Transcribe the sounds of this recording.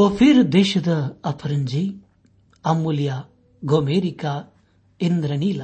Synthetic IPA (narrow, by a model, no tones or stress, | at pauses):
oːpʰiɾd̪eːʃɐd̪ɐɐpʰɐɾɐɲd͡ʒi | ɐmːuljaː | ɡoːmeːɾikaː | ind̪ɾɐniːlɐ